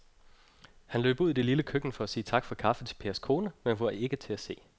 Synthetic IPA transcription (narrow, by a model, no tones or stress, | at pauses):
hænlø̰ːb̥uð̰ˠid̥eliləkʰøɡ̥n̩fɒ̽æsiːt͡sʰɑ̈ɡ̥fɒ̽kʰɑ̈fət͡sʰe̝lpʰe̝ːɐskʰo̝ːnəmenʋɒe̝ɡ̥ət͡sʰe̝æse̝̰ː